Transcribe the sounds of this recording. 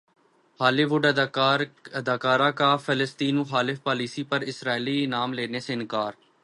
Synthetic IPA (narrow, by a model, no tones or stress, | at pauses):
haːliːʋʊɖ̪ːɾəd̪aːkaːɾaːkaːfʰələst̪iːnuxaːlɪfpaːliːsiːpəɾɪsɾaːilinaːmleːneseɪnkaːɾ